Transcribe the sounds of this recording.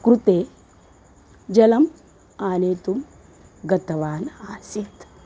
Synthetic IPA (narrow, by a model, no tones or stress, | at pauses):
kɾut̪eː | d͡ʒɐlɐm | aːneːt̪um | ɡɐt̪ɐʋaːnaːsit̪